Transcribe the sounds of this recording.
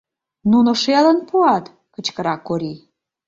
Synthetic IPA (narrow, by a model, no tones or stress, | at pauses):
nunoʃelənpuɑt̪ | kə̆t͡ɕkə̆ɾɑkːoɾi